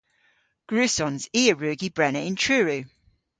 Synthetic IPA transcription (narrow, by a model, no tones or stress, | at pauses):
ɡ̥ɹʉˑsɔ̃nziːəɹʉːɡibɹɛnəʔɪ̃ntʰɹ̥ʉːɹʉ